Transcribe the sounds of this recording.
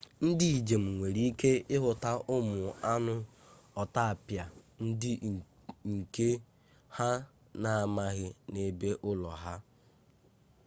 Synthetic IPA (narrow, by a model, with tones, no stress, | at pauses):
n̩˦dɪ˦i˨d͡ʒe˨m̩˨ŋʷe˨ɾi˦i˦ke˦ɪ˦ɦʊ˨ta˦ʔʊ˦mʊ˨a˦nʊ˦ | ɔ˨ta˦a˨pja˨n̩˦dɪ˦ | ŋ̩˨ke˦ | ha˦ | na˨a˦ma˦ɣɪ˦ne˦be˦ʔʊ˦lɔ˨ɦa˦